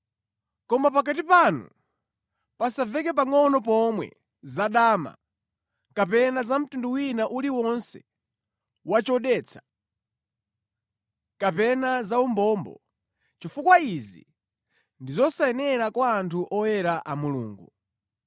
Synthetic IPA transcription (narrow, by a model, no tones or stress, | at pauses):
kɔmapakat̬ipanṵ | pasavɛkɛp̬aŋɔnɔpɔmwɛ̰ | zaɗaːma̰ | kapɛnazam̩tunduwinaʔuliwɔnsɛ | wat͡ʃɔɗɛːt͡sʰḁ | kapɛnazaumbɔmbɔ̰ | t͡ʃifukwaizḭ | ndizɔsaɛnɛɾakwaːntʰuʔɔjɛɾaʔamulṵːŋɡu